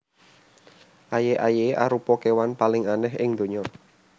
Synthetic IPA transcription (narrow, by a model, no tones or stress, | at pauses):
ʔajeʔajeʔa̰ɾupɔkewanpalɪŋanɛɦɪŋd̪̥o̤ɲɔ